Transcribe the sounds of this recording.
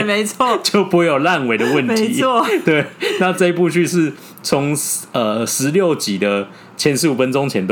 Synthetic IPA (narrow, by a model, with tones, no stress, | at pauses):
me˧˦ɪt͡sʰwɔ˥˩t͡ɕjo˥˩ʊpu˧˥jo˨˩la˥˨nwe˨˩ɪd̪ə˨wə˥˨nt̪ʰi˨˦ɔ˥˨t̪we˥˩ɪna˥˧ʈ͡ʂɤ˥˧i˧˥pu˥˧t͡ɕʰy˥˧ʂɻ̩˥˩ | t͡sʰo˧˦ŋə˩ʂɻ̩˧˦ljo˥˨ʊt͡ɕi˨˩d̪ə˦ | t͡ɕʰjɛ˧˥nʂɻ̩˧u˨˩fə˦nʈ͡ʂʊ˦ŋt͡ɕʰjɛ˧˥nt̪